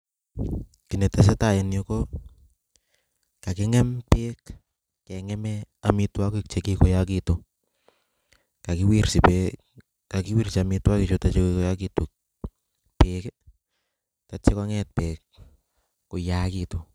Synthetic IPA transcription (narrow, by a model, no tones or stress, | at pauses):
kinɛtɛs̬etajɛnjoko | kakɪŋɛmpekː | ɛŋɛmɛamitwakik̚t͡ʃekikojak̬ito | kakiwirsipe | kakiwirsamitwakit͡ʃotat͡ʃekikojakituk | pek | tat͡ʃːekaŋɛt̚peːk̚ː | ojakito